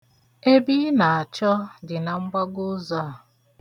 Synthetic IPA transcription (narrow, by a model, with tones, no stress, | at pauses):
e˦bi˦na˨a˨t͡ʃɔ˦dɪ˨na˨ŋ͡m̩˦ɡ͡ba˦ɡʊ˦za˦˨